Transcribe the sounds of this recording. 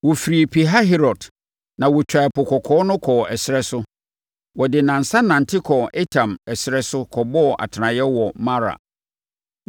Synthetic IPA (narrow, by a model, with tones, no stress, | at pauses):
wɔ˨fi˨ɾi˨pʰi˨ɦa˦ɦɛ˦ɾɔ˨d | nã˨wɔ˨t͡ɕᶣa˨ɛ˨pʊ˨kʰɔ˨kʰɔː˦nʊ̃˦kʰɔː˨ɛ˨sɪ˦ɾɛ˦sʊ˦ | wɔ˨dɪ˨nã˨n̩˨sa˦nã˨n̩˨tʰɪ˦kʰɔ˨ɛ˦tʰã˨mɛ˨sɪ˦ɾɛ˦sʊ˦kʰɔ˨bɔ˦˨ʔa̰˨tʰɪ˨nã˨jɛ˦wɔ˨ma˦ɾa̰˨